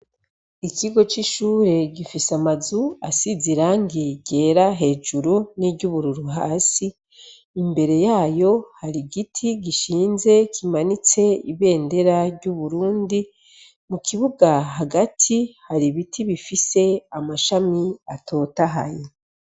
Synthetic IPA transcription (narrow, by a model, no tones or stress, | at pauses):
iciɡo̞t͡ʃiʃuːɾe̞ɟifisamazuasiziɾaːŋɡiɟe̞ːɾaɦe̞ːʒuɾuniɟuβuɾuɾuɦa̰ːsiː | mbe̞ɾe̞jaːjo̞haɾiɡitʰiɡiʃiːnze̞kʰimanit͡se̞iβe̞ːnde̞ɾaɾɟuβuɾuːndi | mukiβuɡaɦaɡatʰihaɾiβitʰiβifise̞amaʃamiatʰo̞ːtaɦa̰je